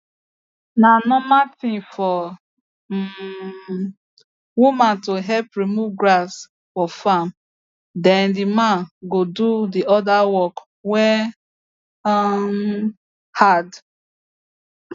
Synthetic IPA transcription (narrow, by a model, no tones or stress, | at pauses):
nanɔmatɪ̃ŋfɔ | wumãntoɦɛlpɾimuɡɾas | fɔfam | dɛ̃ndɪmãnɡodudiɔdawɔk | wɛ | had